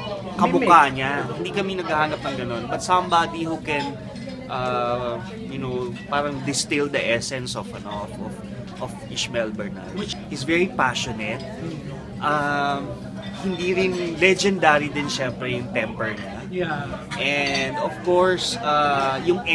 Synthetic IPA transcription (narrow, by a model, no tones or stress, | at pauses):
kɐmʊkaɲahɪnd̪iːkɐmɪnɐɡɐhaːnɐp̚nɐŋɡɐno̞nbɐt̪̚sɐmbaːd̪ihokɛn | ʔɐ | jʊnowpaːɾɐŋd̪ɪst̪ɪld̪ɐʔɛsɛnsɔfɐnofof | ʔɔf | ɪʃmɛlbɛɹna̰wɪɪsvɛɹipaʃɔnɛt̪̚ | ʔam | hɪnd̪iːɾɪnlɛd͡ʒɛnd̪aɾid̪ɪnʃɛmpɾɛjʊŋt̪ɛmpɛɹɲa | ʔɛnd̪ɔfkoɹsajʊŋ